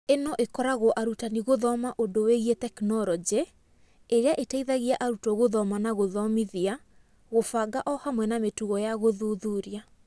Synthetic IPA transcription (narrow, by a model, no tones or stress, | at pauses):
enɔʔekɔɾaɣɔʔaɾutaniɣoðɔmaʔondoweɣiɛtɛknɔɾɔd͡ʒe | eɾeaʔetaiðaɣiaʔaɾutɔɣoðɔmanaɣoðɔmiðia | ɣofaɡaʔɔhamwɛnametuɣɔjaɣoðuðuːɾia